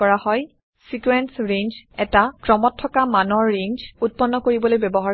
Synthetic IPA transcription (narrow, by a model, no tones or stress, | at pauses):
ɔɹahɔj | sikuɹɛnsɹeɲd͡ʒɛtakɹɔmɔtʰːɔkamanɔɹːeɲd͡ʒut̚pɔnːɔkoɹibɔlojbɛbɔɦa